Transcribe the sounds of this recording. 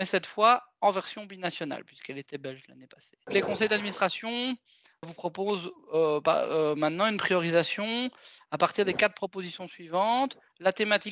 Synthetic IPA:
mɛsɛt̪fwaɑ̃vɛʁsjɔ̃binasjɔna̰lpɥiskɛlet̪ɛbɛlʒla̰nepaselekɔ̃sɛjd̪ad̪minist̪χasjɔ̃ | vupχɔpozøpa̰ømɛ̃t̪nɑ̃ynpχijɔʁizasjɔ̃apaʁt̪iʁd̪ekat̪əpχɔpozisjɔ̃sɥivɑ̃t̪ | lat̪emat̪i

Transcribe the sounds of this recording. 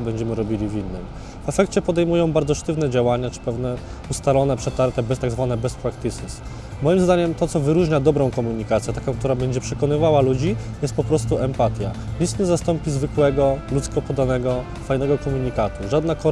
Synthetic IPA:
bɛɲd͡ʑɛmɘɾɔbʲilʲivʲinːɘm | vɛfɛkt͡ɕɛpɔd̪ɛjmujɔ̃w̃baɾd̪zɔʂt̪ɘvn̪ɛd͡ʑawaɲat͡ʂɘ̥pɛvn̪ɛ | ust̪alɔn̪ɛpʂɛt̪aɾt̪ɛbɛst̪aɡzvanɛbɛspɾakt̪ɘsɘs | mɔjimzd̪aɲɛmt̪ɔt̪sɔvɘɾuʐɲad̪ɔbɾɔ̃w̃kɔmuɲikat̪sʲjɛt̪akɔ̃w̃kt̪uɾabɛɲd͡ʑɛpʂɛkɔnɘvawalud͡ʑijɛst̪pɔpɾɔs̬t̪uɛmpat̪ʲjaɲit̪sɲɛzast̪ɔmpʲizvɘkwɛɡɔlut̪skɔpɔd̪anɛɡɔ | fajnɛɡɔkɔmuɲikat̪uʐad̪nakɔ

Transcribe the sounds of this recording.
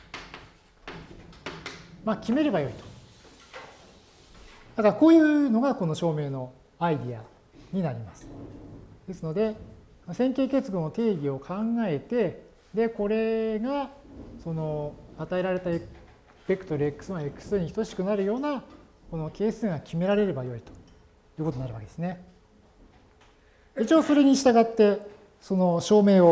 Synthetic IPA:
makʲime̞ɾe̞bajo̞it̪o̥ | d̪̥akaɾako̞ːjɯ̟ːno̞ɡako̞no̞ɕo̞ːme̞ːno̞ | aid̪ʲia̰ | ɲ̟inaɾʲimasɨ̥ | d̪̥e̞sɨno̞d̪e̞ | nosẽ̞ŋkʲe̞ːke̞t͡sɨɡõnot̪e̞ːɡʲio̞kʰãŋɡae̞t̪e̞ | d̪e̞ko̞ɾe̞ɡaso̞no̞at̪ae̞ɾaɾe̞t̪a | pʲe̞kɯ̥t̪o̞ɾɯ̟ekːɯ̥sɨβaekːɯ̟̥sɨɲ̟içt̪o̞ɕi̥kɯ̟naɾɯ̟jo̞ːna | ko̞no̞ke̞ːsɨ̃ŋakʲime̞ɾaɾe̞ɾe̞bajo̞it̪o̥ | jɯ̟ːkot̪onaɾɯ̟βake̞d̪esɨne̞ | eit͡ɕioːso̞ɾe̞ɲ̟iɕi̥t̪aɡat̪ːe̞ | so̞no̞ɕo̞ːme̞ːo

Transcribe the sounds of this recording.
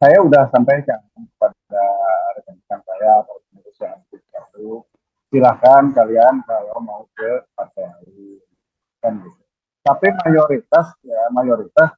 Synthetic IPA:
sajaudahsampajt͡ʃaŋankə̥pad̚udaɾəkanisansajakalokənuɾusaŋntutkat̪u | silakankaliankalamaukəpat̪aaɾi | kanɡit̪u | t̪apimajoɾit̪asjamajoɾit̪as

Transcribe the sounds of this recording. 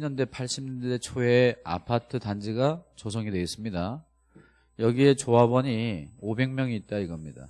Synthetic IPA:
iɲʌnde̞pʰaɭɕ͈ʰimɲʌndde̞t͡ɕʰoe̞a̰pʰatʰɯtand͡ʑiɡat͡ɕos̬ʰoŋidwe̞is͈ɯmɲida | jʌɡie̞t͡ɕoɦabʌɲiobe̞ŋmjʌŋiːt̚t͈aiɡʌmɲida̰

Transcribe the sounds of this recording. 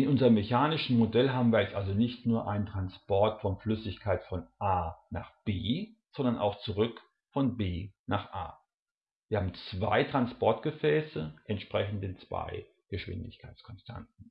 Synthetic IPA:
ʔɪnʔʊnzəʁəmːeçaːnɪʃn̩modɛlɦaːbm̩viːɐjɛstʔalzonɪçtnuːɐʔa̰ɪnəntʁ̥anspɔɐtfɔnflʏsɪçkʰaɪtfɔnʔaːna̰ːχb̥eːz̥ɔndɐnʔa̰ʊxt͡suʁ̞ʏk | fɔnbeːnaːχʔa̰ː | viːɐhaːbm̩t͡sv̥a̰ɪtʁ̥anspɔɐtɡ̥əfɛːsəʔɛntʃpʁ̥ɛçn̩dət͡sv̥a̰ɪ | ɡ̥əʃv̥ɪ̰ndɪ̰çkʰaɪskʰɔnstʰa̰ntn̩

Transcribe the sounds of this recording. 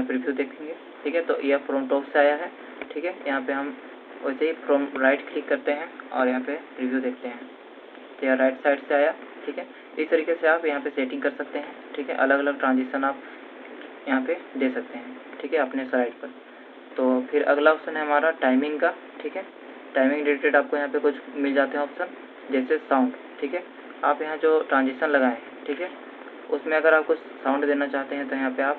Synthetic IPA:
pɾɪbjud̪eːkʰẽːŋɡeː | ʈʰiːkɦɛt̪o̰ːjepɾoːmʈɔːkseaːjaɦɛ | ʈʰiːkɦɛjɐɦãpeɦɐm | oːseipɾoːmɾaːɪʈkliːkːɐɾt̪eɦɛ̃ɔ̰ːɾjɐɦãpepɾiʋʱjuːd̪eːkʰt̪eɦɛ̃ | t̪ojaɾaːɪʈsaːɪɖseaːja | ʈʰiːkɦɛ | ɪst̪ɐɾiːkeseaːpjɐɦãpeseːʈɪ̃ŋɡkɐɾsɐk̚t̪eɦɛ̃ʈʰiːkɦɛ̰ʔɐləɡɐləɡ̚ʈɾãːnzɪʃənaːp | jɐɦãped̪eːsɐk̚t̪eɦɛ̃ː | ʈʰiːkɦɛɐpnesɾaːɪʈpɐɾ | t̪oːpʰɪɾɐɡlaʊsənɦɛɦɐmaːɾaʈaːɪmɪ̃ŋɡkaː | ʈʰiːkɦɛː | ʈaːɪmɪ̃ŋɡɖeːɖɪkɾeːʈaːp̚kojɐɦãpekʊt͡ʃʰmɪld͡ʒaːt̪eɦɛɔːpsən | d͡ʒɛːsesãʊ̃ɳɖ | ʈʰiːkɦɛː | aːpjɐɦãd͡ʒoːʈɾãːnzɪʃənlɐɡaːẽ | ʈʰiːkɦɛː | ʊsmẽɐɡəɾaːp̚ko | sãːʊ̃ɳɖd̪eːnat͡ʃaːɦt̪eɦɛ̃t̪ojɐɦãpeaːp

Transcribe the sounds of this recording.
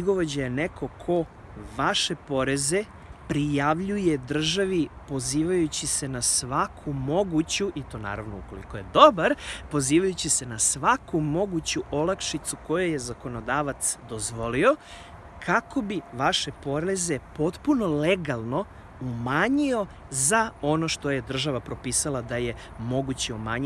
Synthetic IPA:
iɡo̞ʋod͡ʑajeneko̞kʰo̞ | ʋaʃe̞po̞ɾe̞ze̞ | pɾijaʋʎujed̪r̩ʒaʋipo̞ziːʋajut͡ɕise̞nasʋakʰumo̞ɡut͡ɕuʔit̪o̞ːna̰ːɾaʋnoṵko̞lḭko̞je̞d̪o̞baɾpo̞ziːʋajut͡ɕise̞nasʋakumo̞ɡut͡ɕuʔolakʃit̪suko̞jeje̞zako̞no̞d̪aːʋat̪sd̪o̞zʋo̞lio̞ | kʰako̞biʋaʃe̞po̞ɾe̞ze̞po̞t̪puno̞leɡalˠno̞ | umaɲio̞ | zao̞no̞ʃt̪o̞je̞d̪r̩ʒaʋapɾo̞piːsalˠad̪aje̞ | mo̞ɡut͡ɕiumaːɲ

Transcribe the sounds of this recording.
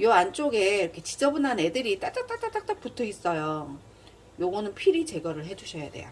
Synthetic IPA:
joant͡ɕ͈oɡe̞iɾʌkʰe̞t͡ɕi̥d͡ʑʌbunane̞dɯɾit͈at͈akt͈at͈at͈ak̚t͈ak̚putʰois͈ʌjo | joɡʌnɯnpʰiɾit͡ɕe̞ɡʌɾɯɭɦe̞d͡ʑuɕʰʌjadḛjo̰

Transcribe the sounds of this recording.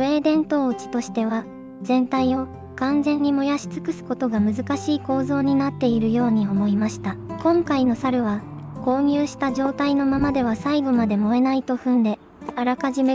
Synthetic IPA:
e̞ːd̪ẽ̞nt̪o̞ːɯt͡ɕi̥t̪o̞ɕi̥t̪e̞β̞a | zẽ̞nt̪aio̞ | kãnzẽ̞ɲ̟ːimo̞jaɕi̥t͡sɨ̥kɯ̟sɨ̥ko̞t̪o̞ɡamɯ̟zɨkaɕiːko̞ːzo̞ːɲ̟inat̪ːe̞iɾɯ̟jo̞ːɲ̟io̞mo̞imaɕi̥t̪akõ̞ŋkaino̞saɾɯ̟βa | ko̞ːɲ̟ʲɨːɕi̥t̪aʑo̞ːt̪aino̞mamad̪e̞β̞asaiɡomad̪e̞mo̞e̞nait̪o̞ɸɯ̟̃nd̪e̞ | aɾakaʑime

